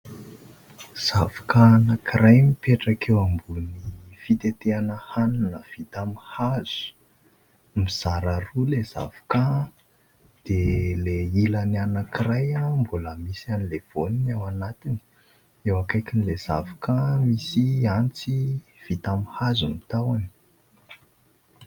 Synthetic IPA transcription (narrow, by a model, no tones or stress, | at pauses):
z̥avakanakiɾajmipeʈ͡ʂakewambunifit̪et̪eanəhanunəv̥it̪amihaz̥u̥ | miz̥aɾarulez̥a̰v̥ḁka | d̪̥eleilanianakiɾajambuləmisianilev̥oninawanat̪ini̥ | ewakajkinilez̥a̰vakamisiant͡siv̥it̪amihazumit̪awani̥